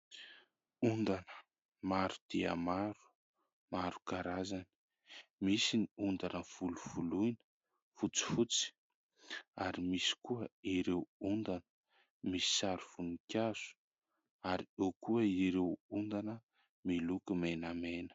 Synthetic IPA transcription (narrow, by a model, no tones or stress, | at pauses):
und̪anə̥ | maɾud̪̥iə̰maɾu̥ | maɾu̥kaɾazani | misiniund̪anəv̥uluv̥ulujnə̥ | fut͡si̥fut͡si̥ | aɾimisi̥kuəiɾewund̪anə̥ | misi̥saɾuv̥unikʲjaz̥u̥ | aɾiekuəiɾewund̪anə | milukumenamenə̥